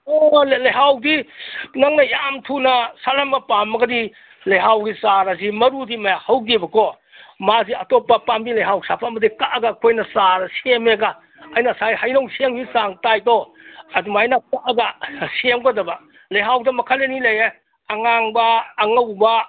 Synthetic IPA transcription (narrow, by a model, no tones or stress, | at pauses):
ollɐjɦawdinaŋnɐjamtʰunasalambapamːɐɡɐdi | lɐjɦawɡisaɾazimɐɾudimɐjahɐwɡibɐkɔ | maziɐtɔpːapambilɐjɦawsapʰamɐdikaʔaɡakʰojnɐsaɾɐsemeɡaː | jnasajhajnowseŋbisaŋtajtɔ | ɐdumajnakaɡasemɡɔdɐba | lɐjɦawdɐmɐkʰalenileje | aŋaŋbaːŋɐwba